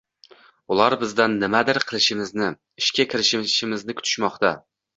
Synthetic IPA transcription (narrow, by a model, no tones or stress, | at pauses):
ʊlˠaɾbɪzd̪anːɪmad̪ɪɾqʰɨlˠɪʃɪmɪznɪ | ɪʃkʲakʲʰɪɾɪʃɪʃɪmɪznɪkʰʊ̥t̪ʰɪ̥ʃmɒqt̪a